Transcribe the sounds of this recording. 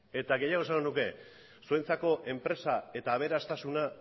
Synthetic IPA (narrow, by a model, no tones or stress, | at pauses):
e̞t̪aɣe̞jaɣsaŋɡonuke̞ | suent͡sako̞ʔe̞mpɾe̞sae̞t̪aːβ̞e̞ɾast̪asuna